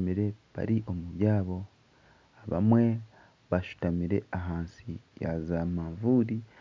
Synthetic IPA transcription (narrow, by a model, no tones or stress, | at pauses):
miɾe̞βa̰ɾiʔo̞muβjaːβo̞ | aβa̰mwe̞ | βaʃu̥tamiɾe̞aɦaːnsija̰zamaːɱvuɾi